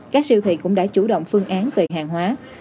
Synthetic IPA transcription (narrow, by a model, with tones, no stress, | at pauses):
kaː˦˥k̚si˧wt̪ʰḭ˧˨kʊ̰˧˥ŋ͡mɗa̰ː˧˥˩t͡ɕu˧˩ɗə̰˧˨wŋ͡mfɨ˧əŋʔaː˨˦nt̪əː˨˩ɦaː˨˩ŋɦwaː˨˦